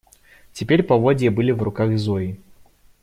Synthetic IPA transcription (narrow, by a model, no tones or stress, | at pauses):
t͡sʲɪpʲeɾʲpɐvɔdʲɪjəbɨlʲivrʊkaɣzɔji